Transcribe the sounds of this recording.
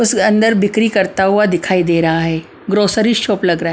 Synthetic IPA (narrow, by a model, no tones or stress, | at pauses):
ʊsɐ̃nd̪əɾbɪkɾikɐɾt̪aɦuad̪ɪkʰaːid̪eːɾɐɦaɦɛː | ɡɾoːsəɾiʃoːplɐɡɾɐaɦ